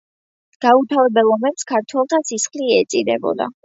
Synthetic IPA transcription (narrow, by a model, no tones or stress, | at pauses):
ɡ̥aut̪ʰavɛbɛlˠɔmɛpskʰaɾt̪ʰwɛlˠt̪ʰasisχliɛɛt̪sʼid̪ɛ̰bɔ̰d̪a̰